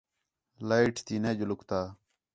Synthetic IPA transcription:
laiʈt̪iːneːd͡ʒʊlʊkt̪aː

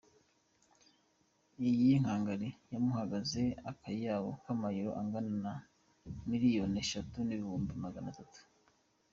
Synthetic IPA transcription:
ijijiŋ̥haːŋɡaɾijamuhaɡaze̞akajijaːwokamajiɾo̞̰ʔaŋɡanana | miɾijo̞ne̞ʃatuniβihuːmbimaɡanatatu̥

